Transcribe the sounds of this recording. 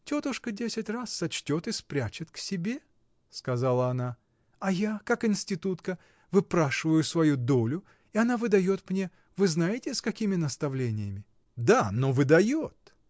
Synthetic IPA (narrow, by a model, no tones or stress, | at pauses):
tʲo̞t̪ʊʂkədʲesʲɪtʲrasːɐt͡ɕtʲo̞t̪ɨspɾʲæt͡ɕɪt̪ksʲɪbʲe̞ | skɐzalˠəɐna | ɐjakakɪnʲsʲtʲɪt̪ut̪kə | vɨpɾaʂɨvəjʊsvɐjud̪o̞lʲʊ | ɪɐnavɨd̪ɐjo̞t̪mnʲe̞ | vɨznajɪtʲɪskɐkʲimʲɪnəst̪ɐvlʲenʲɪjəmʲɪ | d̪anovɨd̪ɐjot̪